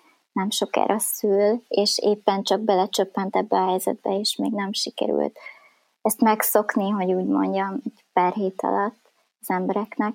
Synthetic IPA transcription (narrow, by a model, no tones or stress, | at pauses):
nɛmʃo̞kɛ̰ːɾɒsyleːʃeːpːɛnt͡ʃɒɡ̚bɛlɛt͡ʃøpːɛnt̪ɛbːɛɒɦɛjzɛ̰d̪̚bɛeːʃmeːɡnɛmʃikɛ̰ɾy̰lt̪ | ɛst̪mɛkso̞kniɦo̞ɟuːɟmo̞̰ɲɟɒmɛɟpɛrɦeːt̪ɒ̰lɒt̪ː | ɒzɛmbɛɾɛknɛk